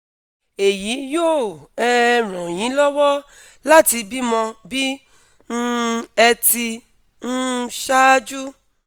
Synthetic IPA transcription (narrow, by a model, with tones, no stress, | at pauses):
e˨ji˨˦jo˦˨ɛ˦˧ɾ̃ɔ̃˨j̃ĩ˨˦lɔ˦wɔ˦ | la˦ti˧bi˦mɔ̃˧bi˦ | ñ̩˧ɛ˧ti˧ | n̩˦ʃa˦d͡ʒu˦